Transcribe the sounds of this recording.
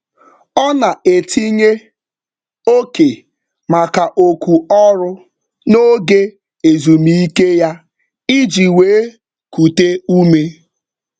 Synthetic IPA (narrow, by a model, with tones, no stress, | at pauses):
ɔ˦na˨e˨tʰi˦ɲe˦ | o˦ke˨ | ma˨ka˨ʔo˨ku˨ɔ˦ɾʊ˦ | no˦ɡe˦ | e˨zu˨mi˦i˦ke˦ja˦ | i˦d͡ʒi˨we˨˦ | ku˨te˦u˦me˦